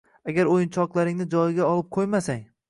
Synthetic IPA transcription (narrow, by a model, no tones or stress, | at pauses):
aɡʲaɾojɪnt͡ʃʰɒqlˠaɾɪŋnɪd͡ʒɒjɪɡʲaɒlˠɪp̚qʰojmasaŋ